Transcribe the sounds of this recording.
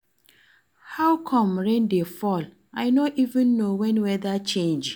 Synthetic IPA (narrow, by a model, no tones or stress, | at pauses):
haʊkʰɔ̃mɾẽndefɔl | aɪnoʔivɪ̃nːowɛ̃nwɛðat͡ʃẽnd͡ʒ